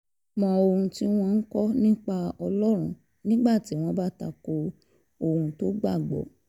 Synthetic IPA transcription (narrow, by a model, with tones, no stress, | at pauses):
mɔ̃˧o˧ɾũ˧ti˦w̃ɔ̃˦n̩˦kɔ˦nĩ˦k͡pa˦ɔ˧lɔ˦ɾ̃ũ˧ | nĩ˦ɡ͡ba˦˨ti˨˦w̃ɔ̃˧ba˦ta̰˧˨ko˧ | o˧hũ˧to˦ɡ͡ba˦˨ɡ͡bɔ̰˨˦